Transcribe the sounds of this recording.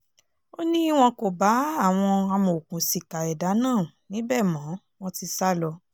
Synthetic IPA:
o˦nĩ˦i˦w̃ɔ̃˧ko˨ba˨˦a˦˨w̃ɔ̃˧a˧mo˨o˨kũ˨si˨ka˨ɛ˨da˨˦nãː˦˨ | nĩ˨˦bɛ˦˨mɔ̃˨˦ | w̃ɔ̃˧ti˧sa˦lɔ˧

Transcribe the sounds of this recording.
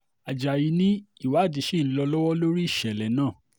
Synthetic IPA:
a˨d͡ʒa˨ji˧nĩ˦i˦˨wa˨˦˨di˧˦ʃi˦˨n̩˦lɔ˧lɔ˦wɔ˦lo˦ɾi˦i˦˨ʃɛ˨lɛ˨nãː˦˨

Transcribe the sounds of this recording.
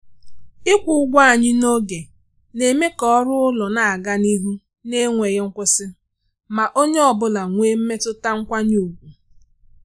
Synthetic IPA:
ɪ˦kʷu˨ʊ˦ɡʷa˦a˨ɲɪ˦no˦ɡe˨ | ne˨me˦kɔ˦ɾʊ˦ʊ˦lɔ˨na˨a˨ɡa˦ni˦ɦu˦ | ne˦ŋʷe˨ɣe˦ŋ̩˦kʷʊ˦sɪ˦ | ma˨ʔo˦ɲe˦ɔ˨bʊ˦la˨ŋʷe˦m̩˦me˦tʊ˦ta˦ŋ̩˦kʷa˦ɲu˦u˨ɡʷu˨

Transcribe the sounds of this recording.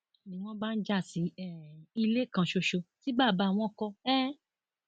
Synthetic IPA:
nĩ˨˦w̃ɔ̃˦ba˦n̩˦d͡ʒa˦˨si˨˦ɛ˨i˧le˦kã˧ʃo˧ʃo˧ti˨˦ba˦˨ba˨˧˦w̃ɔ̃˧˦kɔ˧ɛ˦

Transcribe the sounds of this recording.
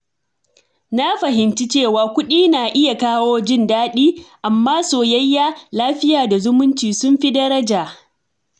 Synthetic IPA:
na˦ɸɐ˨ɦɪ˨nt͡ʃi˦t͡ʃeː˦˨waː˨kʷʊ˦ɗiː˦naː˨ʔɪ˦ja˨kaː˦woː˦d͡ʒɪ˦˨ndaː˦ɗiː˦ʔa˨mːaː˦soː˨jɐ˦jːaː˦laː˦ɸɪ˦jaː˨da˨zʊ˦mʊ˦nt͡ʃiː˨sʊ˦mɸi˦dɐ˦ɾɐ˦d͡ʒaː˨

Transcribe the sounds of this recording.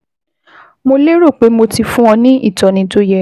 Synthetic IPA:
mo˧le˦ɾo˦˨k͡pe˨˦mo˧ti˧fũ˦ɔ̃˧nĩ˦ʔi˦˨tɔ˨nĩ˧to˦jɛ˧

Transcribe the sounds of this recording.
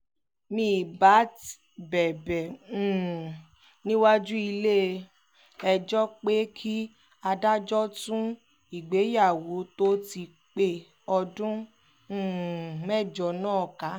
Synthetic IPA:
mĩ˧˦˨ba˨˦t | bɛ˨bɛ̃˨˦˨ | nĩ˦wa˦d͡ʒu˦i˧le˦˧ | ɛ˧d͡ʒɔ˦k͡pe˦kʰi˦ | a˧da˦d͡ʒɔ˦tũ˦ | i˨ɡ͡be˨˦ja˦˨wo˨˦to˦ti˧ | k͡pe˦˨ | ɔ˧dũ˦˨ | mɛ˦˨d͡ʒɔ˨˦nãː˦˨ka˨˦

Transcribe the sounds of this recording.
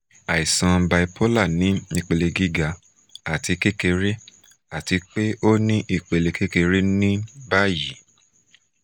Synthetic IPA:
a˨i˨sã˧ba˧i˧pʰo˦la˦˨nĩ˨˦i˦˧˨k͡pe˨˧le˧ɡi˦ɡa˧˦ | a˨ti˨˧˦ke˦ke˧ɾe˦ | a˦˨ti˧k͡pe˦o˦nĩ˦ʔi˦˨k͡pe˧le˧ke˦ke˧ɾe˦nĩ˦ba˦ji˨

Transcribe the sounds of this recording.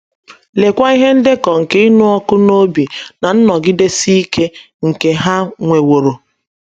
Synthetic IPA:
le˨kʷa˦i˦ɦe˦n̩˦dɪ˦kɔ˨ŋ̩˨ke˦i˦nu˦ɔ˦kʊ˦no˦bi˨na˨n̩˦nɔ˨ɡɪ˦de˦si˦i˦ke˦ | ŋ̩˨ke˨ɦa˦ŋʷe˨wo˨ɾo˨

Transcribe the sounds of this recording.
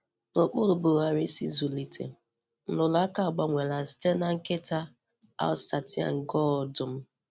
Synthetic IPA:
no˨k͡pʊ˦lʊ˨bo˨ɣa˨ɾi˦sḭ˦zu˨li˨tʰḛ˨ | n̩˦lʊ˨la˦ka˦˨ɡ͡ba˦ŋʷe˨la˨si̥˦te˦na˦ŋ̩˦ke˦ta˦ | a̰˦sa˨tɪ˦a̰˨ŋ̩˨ɡɔ˦˨dʊ˨m̩˦

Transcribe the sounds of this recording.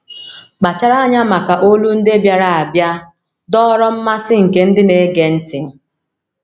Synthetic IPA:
k͡pa˨t͡ʃa˦ɾa˦a˦ɲa˦ma˨ka˨ʔo˦lu˦n̩˦de˦bja˨ɾa˨a˨bja˦ | dɔ˦ɾɔ˦m̩˦ma˦sɪ˦ŋ̩˨ke˨˦n̩˦dɪ˦ne˨˦ɡe˨n̩˦tɪ˨

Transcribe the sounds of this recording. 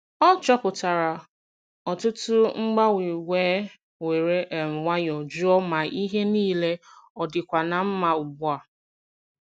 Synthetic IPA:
ɔ˦t͡ʃɔ˦pʊ˨ta˨ɾa˨ | ɔ˨tʊ˦tʊ˦ŋ͡m̩˦ɡ͡ba˦wi˨weː˦ | we˨ɾe˦ʔe˨m̩˨ŋʷa˦ɲ˨ɔ˨d͡ʒu˦ɔ˦ma˨ʔi˦ɦe˦niː˦le˦ɔ˨dɪ˨kʷa˨na˨m̩˦ma˦ʊ˨bʊ˦a˨

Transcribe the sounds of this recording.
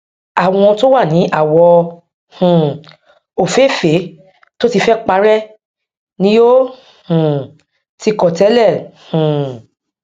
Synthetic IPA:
a˨w̃ɔ̃˧to˦wa˦˨nĩ˨˦ʔa˦˨wɔ˧ | hũ˨ | o˨fe˨˦˨fe˨˦ | to˦ti˧fɛ˦k͡pa˧ɾɛ˦ | nĩ˦jo˦ | hũ˨ | ti˧kɔ˨tɛ˨˦lɛ˦˨hũ˨

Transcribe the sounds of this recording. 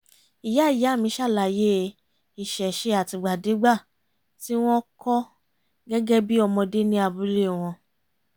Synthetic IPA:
i˨ja˨˦i˦˨ja˨˦˨mĩ˧˦ʃa˦˨la˨je˦ | i˨ʃɛ˨ʃe˧˦a˨ti˧ɡ͡ba˨de˨˦ɡ͡ba˦˨ | ti˦w̃ɔ̃˦kɔ˦ | ɡɛ˦ɡɛ˦bi˦ɔ˧mɔ̃˧de˦nĩ˦a˧bu˨˦le˦˨w̃ɔ̃˧

